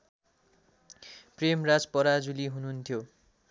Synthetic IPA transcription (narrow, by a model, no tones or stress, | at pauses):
premrad͡zpʌɾad͡zuliɦunuɦunt̪ʰjo